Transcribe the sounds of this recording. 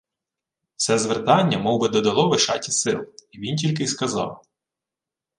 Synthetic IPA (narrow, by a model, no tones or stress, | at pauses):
sɛzʋert̪ɑnʲːɐmɔwbɪd̪ɔd̪ɐlˠɔʋɪʃɑ̰tʲisɪlˠiʋʲintʲilʲk̬ɪjskɐzɑ̰w